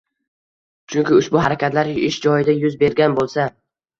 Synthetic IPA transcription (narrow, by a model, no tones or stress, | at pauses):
t͡ʃʰʊŋkʲɪʊʃbʊɦaɾakʲʰat̪laɾɪʃd͡ʒɒjɪd̪ajʊzbe̞ɾɡʲanbolˠsa